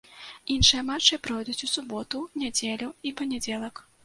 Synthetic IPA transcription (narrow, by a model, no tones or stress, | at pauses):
inʂɨjɐmat͡ʂːɨpɾɔjd̪ut͡sʲusubɔt̪unʲad͡zʲelʲuipɐnʲɛd͡zʲɛlˠɐk